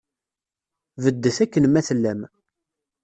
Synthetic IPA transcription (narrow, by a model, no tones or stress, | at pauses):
vəd̪ːəθækːənmæθəlːæm